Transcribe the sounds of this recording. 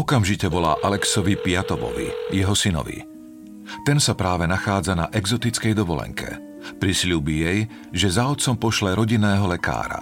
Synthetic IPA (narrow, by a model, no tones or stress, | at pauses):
ɔkamʒicɛʋɔla̰ːʔalɛksɔʋipɪat̪ɔʋɔ̰ʋḭjɛɦɔsinɔ̰ʋḭ | t̪ɛnsapɾaːʋɛnaxaːd͡zanaʔɛɡzɔt̪it͡skɛjd̪ɔʋɔlɛ̰ŋkʰɛ̰ | pɾisʎuːbijɛj | ʒɛzaɔt̪t͡sɔmpɔʃlɛɾɔɟinɛːɦɔlɛka̰ːɾa̰